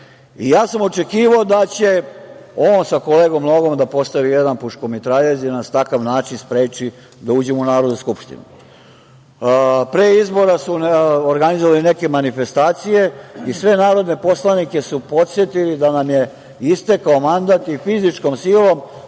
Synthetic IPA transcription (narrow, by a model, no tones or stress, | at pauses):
ijaːsamo̞t͡ʃe̞kiːʋaod̪at͡ɕe̞oːnsakoleːɡomːnoɡo̞md̪apo̞st̪aʋijed̪anpuʃkomit̪ɾaʎezid̪anast̪akaʋnaːt͡ʃinspɾeːt͡ʃi | d̪auːd͡ʑemunaːɾod̪uskupʃt̪ḭnṵ | pɾeːizbo̞ɾasuoɾɡanizoʋalineke̞manife̞st̪aːt̪sije̞isʋe̞naːɾo̞d̪ne̞po̞slanike̞supo̞t̪sjet̪ilid̪anamje̞ | ist̪e̞kaomand̪at̪ifizit͡ʃkomsiːlo̞m